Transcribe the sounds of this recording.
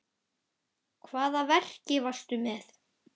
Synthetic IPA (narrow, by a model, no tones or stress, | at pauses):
kʰvaːðavɛr̥cɪvast̪ʏmɛθ